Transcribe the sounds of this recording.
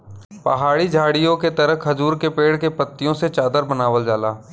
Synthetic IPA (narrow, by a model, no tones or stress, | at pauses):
pɐɦaːɽid͡ʒʱaːɽijõket̪ɐɾəɐzuːɾkepeːɽkepət̪ːijõset͡ʃaːd̪əɾbənaːʋəld͡ʒaːlaː